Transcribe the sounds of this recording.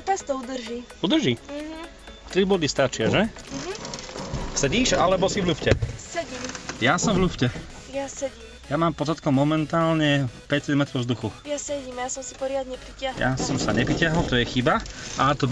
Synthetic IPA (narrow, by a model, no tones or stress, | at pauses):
t̪ast̪ɔud̪r̩ʒiː | ud̪ɾ̩ʒi | t̪ɾibʊɔd̪ist̪at͡ʃɪaʒɛɦ̩ | sɛɟiːʃalɛbɔsivlufcɛsɛɟiːmjasɔmvʎufcɛ | jasɛɟiːmjamaːmpɔzat̪̚kɔmːɔmɛnt̪aːlɲɛpɛct͡sɛd̪mɛt̪ɾɔvzd̪uxujasɛɟiːmjasɔmsi̥pɔɾɪad̪ɲɛpɾicɪaɦja̰sɔmsaɲɛpɾicɪaɦɔlt̪ɔjɛxibaʔat̪ɔb